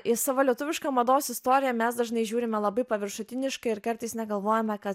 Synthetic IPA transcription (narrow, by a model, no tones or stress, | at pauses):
ʔɪsɑːʋoːlʲiɛt̪ʊʋʲɪʃkɑːmɐd̪oːsɪst̪oːɾʲɪjɛmʲɛsd̪ɐʒnɐɪʒʲuːɾʲɪmʲɛlˠɐbɐɪpɐʋʲɪɾʃʊt̪ʲɪnʲɪʃkɐɪɪɾkɐɾt̪ɐɪsnʲɛɡɐlˠʋoːjɛmʲɛkɐt̪